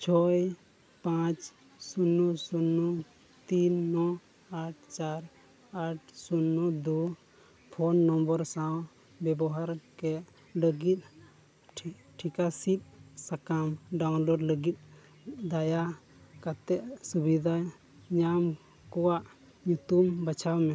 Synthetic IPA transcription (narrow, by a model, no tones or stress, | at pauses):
t͡ʃʰɔj | pãt͡ʃ | sunːusunːu | t̪inːɔ | aʈ̚ʰt͡ʃaɾ | aʈ̚sunːud̪u | pʰɔnːɔmbəɾsãw | bɛbɔɦaɾkɛʔ | ləɡit̪̚ˀ | ʈʰikasit̪̚sakamɖawnlɔɖləɡit̪̚ˀ | d̪aja | kat̪ɛʔsubid̪ʱa | ɲam | kɔwaʔ | ɲut̪umbat͡ʃʰawmɛ